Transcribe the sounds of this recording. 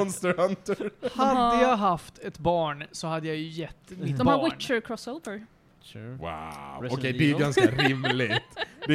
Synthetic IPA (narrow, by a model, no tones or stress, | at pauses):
ɔnst̪əɾant̪əhad̪ːəjaɡɦaft̪ɛt̪bɑːɳsɔhad̪ːəjajɵjɛt̪ːɪd̪ɔawɪɳt͡ʃəɾkʰɾɔsoʊvəɾ | wa̰wɔkʰɛjd̪ɛːɾɡanskaɾɪmlɪɡt̪d̪ɛ